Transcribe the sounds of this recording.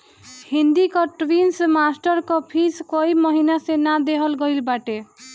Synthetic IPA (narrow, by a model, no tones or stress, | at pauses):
hind̪ikɔʈwinsmasʈɔɾkɔpʰiskoimɔɦinasenad̪eɦɔlɡɔjlbaʈe